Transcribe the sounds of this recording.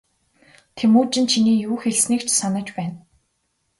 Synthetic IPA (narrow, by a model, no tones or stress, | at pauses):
t̪ʰemuːt͡ɕɪ̆nt͡ɕʰiniːjuːxeɮsniːkt͡ɕʰsanə̆t͡ɕpæːn